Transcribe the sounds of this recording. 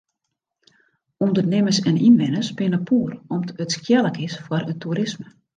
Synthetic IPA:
undərnɪməsɛninʋɪnəsbenəpʰuːrɔmətskʰjɛlˠəkɪsfwɔɾəntʰuɾɪsmə

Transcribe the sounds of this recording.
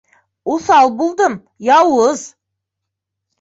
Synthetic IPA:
ʊsɑlˠbulˠd̪əm | jɑwəz

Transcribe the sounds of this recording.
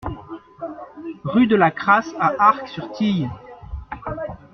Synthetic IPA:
ʁyd̪əlakχasaʔaʁksyʁt̪ʰij

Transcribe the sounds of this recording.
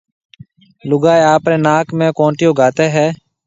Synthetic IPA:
lʊɡaːeːaːpɾeːnaːkmẽːkõːɳʈɪjoːɡaːt̪eːɦɛː

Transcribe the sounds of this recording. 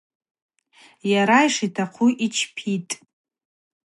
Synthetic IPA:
jaɾaiʂitʰaqʰuʔit͡ʃʰpʰitʼ

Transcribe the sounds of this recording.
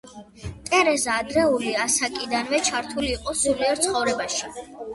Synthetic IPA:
t̪ʼɛɾɛzaːd̪ɾɛuliasakʼid̪anvɛt͡ʃʰaɾt̪ʰuliːqʼɔsuɾlɛɾt̪sʰχɔvɾɛbaʃi

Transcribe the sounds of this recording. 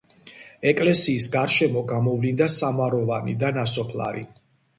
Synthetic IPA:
ɛkʼlɛsiːsɡaɾʃɛmɔɡamɔvlind̪asamaɾɔvanḭd̪anasɔpʰlˠa̰ɾḭ

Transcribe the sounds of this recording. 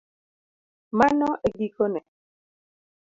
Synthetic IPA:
manɔʔɛɡikonɛ

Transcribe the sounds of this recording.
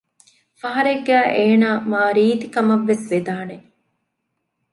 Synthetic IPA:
fɐɦɐɾeɡːæːʔeːnaːmaːɾiːt̪ikɐmɐʋːesʋed̪aːne

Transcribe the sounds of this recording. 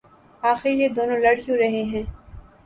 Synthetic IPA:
aːxɪɾjed̪oːnõlɐɽ̤jõɾɐɦeɦɛ̃ː

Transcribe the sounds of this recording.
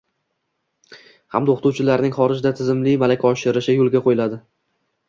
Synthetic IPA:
ha̰md̪oχt̪uwt͡ʃʰɪlaɾnɪŋχɒɾɪd͡ʒd̪at̪ʰɪzɪmlɪmalakʲʰaɒʃɪɾɪʃɪjolˠɡʲaqʰojɪlad̪ɪ

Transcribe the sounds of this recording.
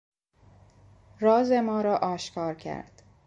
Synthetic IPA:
rɒːzemɒːɾɒːʔɒːʃkʰɒːɾcʰæ̰ɾd̪̥

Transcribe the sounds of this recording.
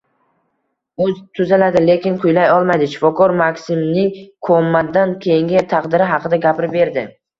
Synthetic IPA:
ɵzt̪ʰʊzalad̪ɪle̞kʲɪnkʰʊjlajɒlˠmajd̪ɪʃɪ̥fɒkʰɒɾmakʲsɪmnɪŋkʰomːad̪ankʲʰejɪŋʲɪt̪ʰɑqd̪ɪɾɪɦɑqʰɨd̪aɡʲapʰɪɾɪbe̞ɾd̪ɪ

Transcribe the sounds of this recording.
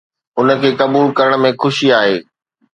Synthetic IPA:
ʊnə̆kʰeːkɐbuːlkɐɾəɽ̃̆mẽxʊʃiaːɦeː

